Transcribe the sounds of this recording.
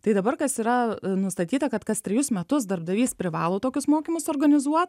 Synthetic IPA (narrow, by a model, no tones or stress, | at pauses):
t̪ɐɪd̪ɐbɐrkɐsiːɾɐnʊst̪ɐt̪ʲiːt̪ɐkɐt̪kɐst̪ʲɾʲɪjʊsmʲɛt̪ʊsd̪ɐɾb̚d̪ɐʋʲiːspʲɾʲɪʋɑːlˠoːt̪oːkʲʊsmoːkʲimʊsoːrɡɐnʲɪzuɔt̪